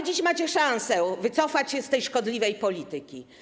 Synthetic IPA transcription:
d͡ʑiɕmat͡ɕɛʂãñsɛvɘt̪sɔfat͡ɕɕɛst̪ɛjʂkɔd̪lʲivɛjpɔlʲit̪ɪkʲi

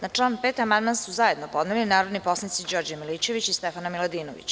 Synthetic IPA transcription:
nat͡ʂlˠaːnpet̪amand̪mansuzaje̞d̪no̞po̞d̪nelinaːɾod̪nipo̞snit̪sid͡ʑo̞ːɾd͡ʑamilit͡ɕeʋit͡ɕist̪ɛfanamilad̪iːnoʋḭt͡ɕ

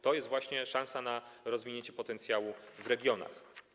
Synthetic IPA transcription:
t̪ɔjɛst̪vwaɕɲɛʂãnsanaɾɔzvʲiɲeɲt͡ɕɛpɔt̪ɛnt̪sʲjawuvɾɛɡʲjɔna̰x

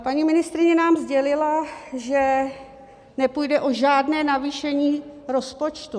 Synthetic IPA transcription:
paɲimɪnɪst̪ɾɪɲɛnaːmzɟɛlɪlaʒɛ | nɛpujdɛʔo̞ʒaːdnɛːnaviːʃɛɲiːɾo̞spo̞t͡ʃt̪u

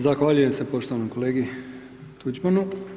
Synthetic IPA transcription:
zaxʋaːʎuje̞mse̞po̞ʃt̪oʋanomko̞le̞ːɡi | t̪ud͡ʒbanu

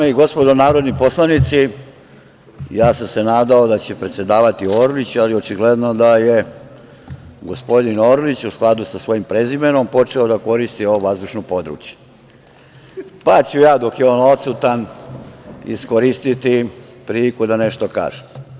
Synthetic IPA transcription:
eiɡo̞spo̞d̪onaːɾo̞d̪nipo̞slˠanit̪si | jaːsamse̞naːd̪aod̪at͡ɕe̞pɾe̞t̪sje̞d̪aːʋat̪ioːɾolit͡ɕalio̞t͡ʃiɡle̞d̪no̞d̪aje | ɡo̞spo̞d̪inoːɾlit͡ɕusklˠad̪usasʋo̞jimpɾezimeno̞mpo̞t͡ʂeod̪ako̞ɾist̪io̞ʋoʋazd̪uʃnopo̞d̪ɾṵːt͡ɕje̥ | pat͡ɕujaːd̪o̞kjeoːno̞t̪sut̪an | ḭskoɾist̪it̪ipɾilikud̪aneʃt̪o̞ka̰ːʒu̥

